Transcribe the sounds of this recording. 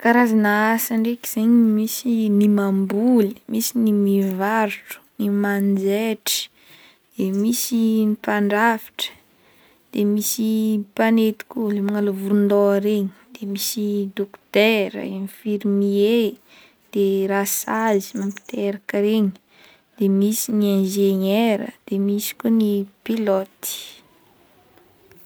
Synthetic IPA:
kaɾazanaasaɳɖ͡ʐekiz̥eɲmisinimambulimʔisinimivaɾuʈ͡ʂu̥nimand͡zeʈ͡ʂi̥ | d̪̥emisinipaɳɖ͡ʐafi̥ʈ͡ʂə̥ | d̪̥emisipanet̪i̥kʲulemaŋaluvuɾund̪oaɾeɲi̥d̪̥emisid̪okt̪eɾə̰enifiɾmie | d̪̥eɾasazi̥mampi̥t̪eɾakəɾeɲi̥ | d̪̥emisiniẽnʒeɲeɾə̰d̪̥emisi̥kunipilɔt̪i̥

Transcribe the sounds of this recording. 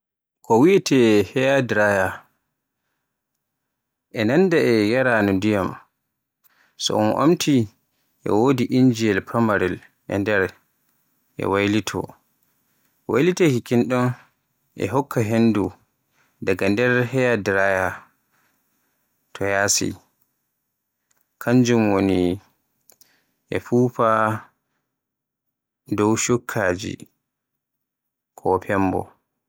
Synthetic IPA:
kɔwitɛhɛjadɾaja | ʔɛnandaɛjaɾanɔdijam | sɔ̰ʔɔ̰nʔo̰mtʰi | ʔɛ̰woːdiʔind͡ʒiɛlpɾamaɾɛl | ʔɛ̰ndɛɾ | ʔɛ̰wajlitʰɔ̰ | wa̰jlitɛhikinɗɔn | ʔɛ̰ɦɔkʰːaɦendu | daɡandɛɾhɛjadɾaja | tʰɔjasḭ | kʰaɲd͡ʒumwoni | ʔɛfuːfa | dɔwʃukʰːad͡ʒḭ | kʰɔpʰɛmbɔ̰

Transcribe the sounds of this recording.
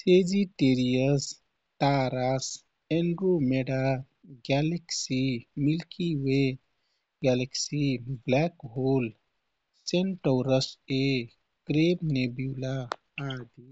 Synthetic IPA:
sed͡ʒiʈeɾijəs | t̪aɾas | enɖɾumeɖa | ɡɛleksimilkiwe | ɡɛleksiblɛkɦol | senʈɔɾəse | kɾebnebila | ad̪i

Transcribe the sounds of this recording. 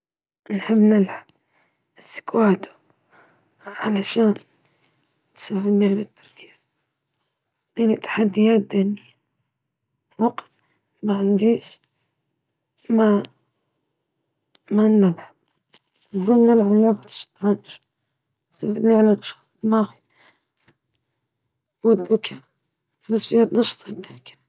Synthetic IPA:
nħɪbnɪlħab | ɪsːɪ̥kwaːt̪u̥ | ʕalaʃaːn | t̪sawɪd̪niʕalat̪ːɑ̥ɾˤki̥ːz̥ | d̪̥iːnit̪ːḁħad̪ːɪjaːt̪̚d̪eːnɪjːa | wɑɡt̪ | maʕɪnd̪iːʃ | ma | manːalʕab | whanːalʕamːabat̪ʃt̪ʕanʃ | t̪saːhɪd̪niʕalanɑʃɑ̥ːt̪ˤlmaɣi | wɪd̪ːʊkʰa | nʊsfɪjaːt̪nɑʃt̪ˤɪd̪ːakḁɾ

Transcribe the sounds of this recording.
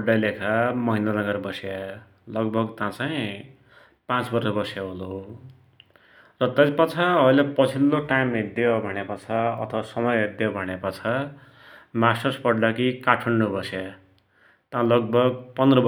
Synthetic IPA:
ɖːalekʰamʌɦinanʌɡʌrbʌsja | lʌɡbʱʌɡt̪ãt͡saj̃ | pãt͡sbʌrsʌbʌsjaɦolo | rʌt̪ʌjpʌt͡sʰaʌjlepʌt͡sʰilːoʈajmid̪jobʱʌñepʌt͡sʰaʌ̰t̪ʰʌwasʌmʌjɦid̪jobʱʌɽ̃epʌt͡sʰa | masʌspʌɖːakikaʈʰʌɳɖobʌsja | t̪ãlʌɡ̚bʱʌɡpʌnd̪rʌb

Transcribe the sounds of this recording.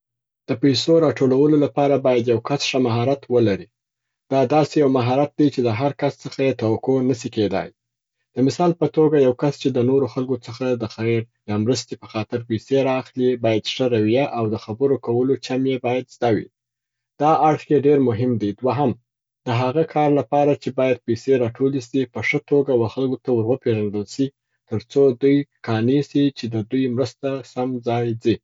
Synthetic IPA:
d̪̥əpajsoɾɑʈolawəlolapɑɾabɑjad̪jawkasʂəmaɦɑɾat̪wəlaɾi | d̪̥ɑd̪ɑsejawmaɦɑɾat̪̚d̪at͡ʃed̪əɦaɾkast͡səxajet̪awakonəsiked̪ɑ̰j | d̪̥əmɪsɑlpət̪oɡajawkast͡ʃed̪ənoɾoxalkot͡səxad̪əxajɾ | jɑmɾəst̪epə̥xɑt̪ɪɾpajseɾɑːxlibɑjad̪ʂəɾawiaʔawd̪əxabəɾokawəlot͡ʃamjebɑjad̪zd̪ɑwḭ | d̪̥ɑʔaɽxjeɖeɾmʊɦɪmd̪id̪waɦam | d̪̥əɦaɣakʰɑɾlapɑɾat͡ʃebɑjad̪̚peseɾɑʈʰolisipəʂət̪oɡawaxalɡot̪awəɾwəpeʒaɳɖ̪əlsi | t̪əɾt͡sod̪ujkɑnisit͡ʃed̪əd̪ujmɾəst̪asamd͡zɑjd͡zi

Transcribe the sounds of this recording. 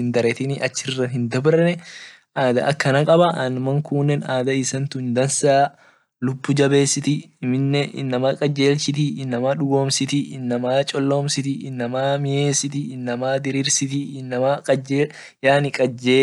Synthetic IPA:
ɪnd̪ɐɾɛt̪ɪnɪʔɐt͡ʃːɪrːɐɦɪnd̪ɐbɾɐnɛ | ʔaːd̪ɐʔɐkːɐnɐkʼɐbɐʔɐnmɐŋkuːnːɛnaːd̪ɐɪsɐnt̪ʊnd̪ɐnsaː | lʊbːʊd͡ʒɐbe̞ːsɪt̪ɪ | mɪnːɛɪ̰nːɐmakʼɐd͡ʒeːlsɪt̪̬ɪɪnːɐmaᶑʊɡo̞ːmsɪt̪ɪɪnːɐmaːt͡ʃʼɔlːo̞ːmsɪt̪ɪɪnːɐmaːmɪjeːsɪt̪ɪɪnːɐmaːd̪ɪɾiɾsɪt̪ɪɪnːɐmakʼɐd͡ʒe | jaːnɪkʼɐd͡ʒːeː

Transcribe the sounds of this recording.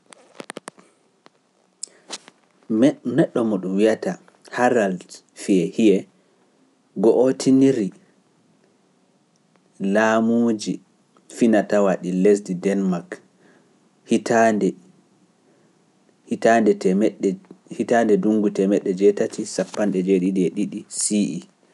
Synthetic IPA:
nɛɗːɔmɔɗumwijata | haɾal | fiɛhijɛ | ɡɔʔotʰiniɾi | lamud͡ʒi | finatawaɗiles̬didɛnmak | hitandɛ | hitandɛtɛɛɗɛhitandɛduŋɡutɛmɛɗːɛd͡ʒɛtatʰisapːanɗɛd͡ʒeɗiɗiɛɗiɗisiʔi

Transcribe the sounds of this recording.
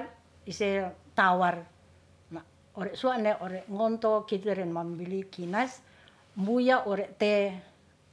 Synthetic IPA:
isɛt̪awar | ma | ɔɾɛʔsuaʔnɛʔɔɾɛʔŋɔnt̪ɔkit̪ɛɾɛnmambilikinas | mbujaʔɔɾɛʔt̪ɛ

